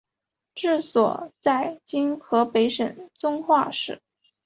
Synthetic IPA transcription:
ʈ͡ʂɻ̩˥˩swɔ̰˨˩t͡sa˥˩ɪt͡ɕi˥nxʰɤ˧˥pe˧˥ɪʂə˨˩nt͡sʊ˥ŋxwa˥˧ʂɻ̩˥˩

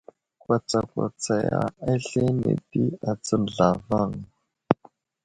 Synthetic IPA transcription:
kwa˨t͡sa˨kwa˨t͡sa˨ja̰˨ɛ˦ɬɛ˦nḛ˨ti˦a˨t͡sɔ˦n̩˨ɮa˨va˦˨ŋa˨

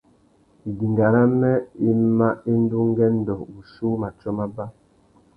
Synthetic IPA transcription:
di˨ŋɡa˨ɾa˦mɛ˦i˦ma˦i˦n˦du˦ŋ˦ɡɛ˦n̩˦dɔ˨u˨ʃu˦ma˨t͡ʃɔ˦ma˦ba˦

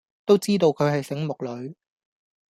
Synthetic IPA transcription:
t̪o˥wt͡siː˥t̪o˨˧wkʰɵ˨˧ɥhɐ˨jsɪ˨˥ŋmʊ˨k̚lɵ˨˧ɥ

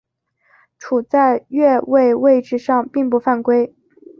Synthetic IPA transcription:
ʈ͡ʂʰu˨˩t͡sa˥˧ɪɥɛ˥˧we˥˧ɪwe˥˧ɪʈ͡ʂɻ̩˥˧ʂɑ˥˧ŋpi˥˧ŋpu˥˧fa˥˩nkwe˥ɪ

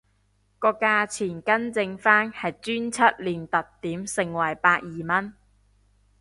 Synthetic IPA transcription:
kɔː˧kaː˧t͡sʰiː˨˩nkɐ˥nt͡sɪ˧ŋfaː˥nhɐ˨jt͡syː˥nt͡sʰɐ˥t̚liː˨˩nt̪ɐ˨tt̪iː˨˥msɪ˨˩ŋwɐ˨˩jpaː˧t̚jiː˨mɐ˥n

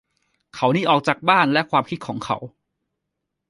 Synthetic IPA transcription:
kʰa˩˥wniː˦˥ʔɔː˨˩k̚t͡ɕaː˨˩k̚baː˥˩nlɛ˦˥kʰwaː˧mkʰi˦˥t̪̚kʰɔː˩˦ŋkʰa̰˩˦˥w

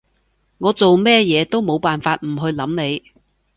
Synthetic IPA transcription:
ŋɔː˨˧t͡so˨wmɛː˥jɛː˨˧t̪o˥wmo˨˧wpaː˨nfaː˧t̚m̩˨˩ɦɵ˧ɥlɐ˨˥mne˨˧j

